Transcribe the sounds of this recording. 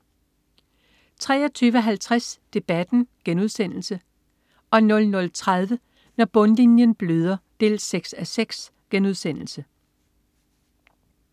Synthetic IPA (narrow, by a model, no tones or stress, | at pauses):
t͡sʰʁɛ̰ːɒt͡sʰyːʋəɦælt͡sʰʁasd̥e̝b̥æd̥n̩ɡ̥enuð̞ˠsen̰l̩sə | ɒ̽nɔ̽lnɔ̽lt͡sʰʁað̞ˠʋə | nɒb̥ɔ̽nlinjənb̥løð̞ˠɐd̥e̝̰ːlseɡ̥sæseɡ̥s | ɡ̥enuð̞ˠsen̰l̩sə